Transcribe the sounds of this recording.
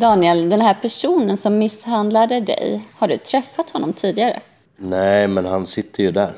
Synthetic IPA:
d̪ɑːnɪɛld̪ɛnɦæːɾpʰæʂuːnənsɔmːɪshand̪lad̪əd̪ɛ̰jhaɖɵt̪ʰɾɛfːat̪hɔnːɔmt̪ʰiːd̪ɪɡaɾə̰ | nɛmɛnhansɪt̪ʰːəjɵd̪æ̰ɾ

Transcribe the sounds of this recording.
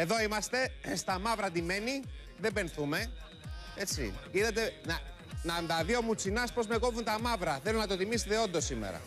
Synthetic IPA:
e̞ðo̞imɐst̪e̞st̪ɐmɐvɾɐt̪ime̞ni | ðe̞be̞nθume̞ | e̞t͡sḭkiðɐt̪e̞nɐ | nɐnd̪ɐðiomut͡sinɐspo̞zme̞ko̞vunt̪ɐmɐvɾɐθe̞lonɐt̪o̞t̪imist̪eo̞nd̪osːime̞̰ɾɐ̰

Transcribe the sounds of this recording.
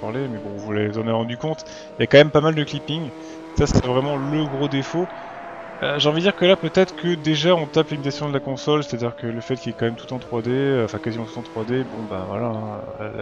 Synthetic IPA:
paʁlemɛbɔ̃vulaevzɑ̃neʁɑ̃d̪ykɔ̃t̪ | iljakɑ̃mɛmpamald̪əklipiŋ | sase̥t̪ɛvʁɛmɑ̃ləɡʁod̪efo | øʒeɑ̃vid̪d̪iʁkəlapøt̪ɛt̪χkəd̪eʒaɔ̃t̪aplimit̪asjɔ̃d̪əlakɔ̃sɔlse̥t̪ad̪iʁkələfɛt̪̚kʲilɛkɑ̃mɛmt̪u̥t̪ɑ̃t̪χwad̪eøɑ̃fɛ̃kazimɑ̃t̪ut̪ɑ̃t̪χwad̪ebɔ̃ba̰vwa̰lãø̰

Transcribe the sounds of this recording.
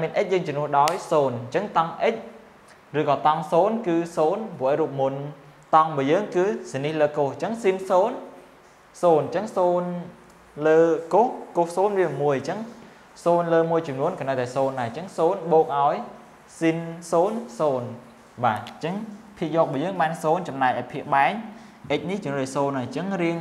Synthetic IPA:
amiənʔəc̚jəːŋt͡ɕɔmnŭəhɗaɔjsoːnt͡ɕəŋt̪ɑŋʔəc̚ | rɨːkɑːt̪ɑŋsoːnkɨːsoːnpŭəʔəjɾuːp̚mun | t̪ɑŋɓɨəjəːŋkɨːsinihləːkoht͡ɕəŋsinsoːn | soːnt͡ɕəŋsoːn | ləːkohkohsoːnʋiəmuəjt͡ɕəŋ | soːnləːmuəjt͡ɕɑmnuənkɑnəwt̪aɛsoːnːaɛt͡ɕəŋsoːnɓoːk̚ʔaɔj | sinsoːnsoːn | ɓaːt͡ɕəŋpʰiəʔ̚jɔːk̚ɓɑːjəːŋɓaːnsoːnt͡ɕɑmnaɛj̚ʔaɔjpʰiəʔɓaɛŋ | ʔəc̚niht͡ɕʊnrəːsoːnat͡ɕəŋriəŋ

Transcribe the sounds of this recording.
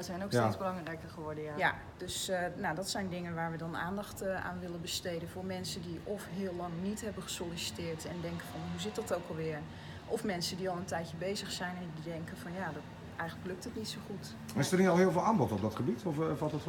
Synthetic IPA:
əzɛjnokstesbəlɑŋrɛjkərχəʋɔɹdəjaja | døsnadɔtsɛjndɪŋənʋaːɹʋədɔna̰ːndɑxta̰ːnʋɪlənbəstejdənvʊːɹmɛnsəndiʔɔfɦɪːlɑŋnitɦɛbəχə̥solisi̥tɪːɹtɛndɛŋkənvɔnɦuzɪt̚dɔtowkɑlˠʋɪːɹ | ʔɔfmɛnsəndiɑlˠəntɛjtcəbejzəxsɛjnɛndidɛŋkənvɔnjadɔt | ɛjxənləkløk̚tətnitsowχut | ɪsərniɔlˠɦɪːlˠvɪːlˠaːmbɔtɔb̚dɔtχəbitɔfʋɔtɔt

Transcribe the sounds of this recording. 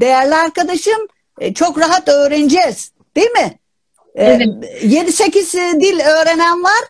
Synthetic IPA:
d̪̥e̞jæɾlʲiaɾkad̪aʃɯm | t͡ʃʰokɾaɦat̪ø̞ːɾend͡ʒɛz̥ | d̪̥ejimɪ | je̞d̪ise̞cʰiz̥d̪ilʲøːɾe̞nænvaɾ̥

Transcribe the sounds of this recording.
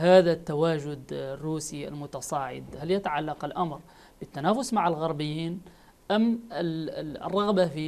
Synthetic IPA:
haːðat̪ːawaːʒʊd̪rːuːsia̰lmʊt̪ɑsˤɑːʕɪ̰d̪haljat̪aʕalːɑqɪlʔamɾ | bɪt̪ːanaːfʊsmaʕɪlɣɑɾˤbɪjːiːn | ʔamɪ̰rˤːɑɣbafi

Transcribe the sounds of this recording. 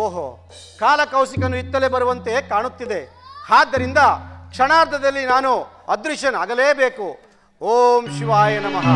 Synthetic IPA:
oːɦo̰ | kaːlɐkɐwsikɐnuit̪ːɐlebɐɾuʋɐnt̪eːkaːɳut̪ːid̪e̞ | haːd̪ːɐɾind̪ɐkʂɐnaːɾd̪ʱɐd̪ɐlːinaːnu | ɐd̪ɾuʃɐnaːɡɐleːbeːku | oːmʃiʋaːjɐnɐmɐɦɐ

